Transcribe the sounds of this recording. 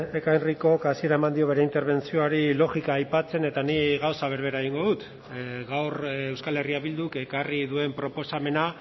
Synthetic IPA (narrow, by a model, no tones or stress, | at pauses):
ekajriko̞kasie̞ɾae̞mand̪io̞β̞e̞ɾe̞int̪e̞ɾβ̞e̞nt͡sio̞aɾilo̞ɣikaːjpat͡se̞ne̞t̪aniɣawsaβ̞e̞ɾβe̞ɾaeɣ̞iŋɡo̞ðut̪ | ɣawrewskale̞riaβild̪uke̞kariðue̞mpɾo̞po̞same̞na